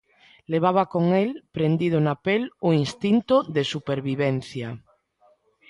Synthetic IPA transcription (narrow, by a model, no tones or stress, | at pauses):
leβ̞aβakoŋelpɾend̪ið̞onapeloinst̪int̪oðesupeɾβiβen̟θja